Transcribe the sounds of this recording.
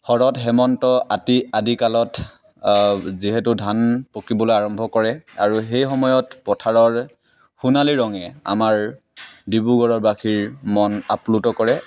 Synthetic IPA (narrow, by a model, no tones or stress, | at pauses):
xɔɹɔtxɛmɔntɔʔatiadikalɔt | ziɦɛtʊdʱanpokibɔlojaɹɔmbʱɔkɔɹɛaɹuxejxɔmɔjɔtpɔtʰaɹɔɹ | xunaliɹɔŋɛa̰maɹ | dibuɡɔɹɔɹbakʰiɹmɔna̰plutɔkɔɹɛ